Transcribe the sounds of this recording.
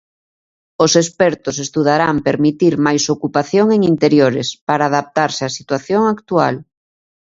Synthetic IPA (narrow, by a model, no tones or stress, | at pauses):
osespɛɾt̪ʊsest̪uð̞aɾampeɾmit̪iɾmajsokupaθjoŋeŋint̪eɾjoɾɪspaɾaːðap̚t̪aɾsɪasit̪waθjoŋakt̪ua̰l